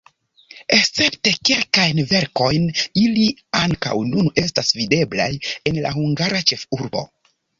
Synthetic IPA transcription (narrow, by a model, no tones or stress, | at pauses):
ekst͡se̞pte̞kelkajnve̞ɾko̞jniliaŋka̰wnune̞stasvide̞bla̰je̞nla̰ɦuŋɡaɾat͡ʃe̞fuɾbo̞̰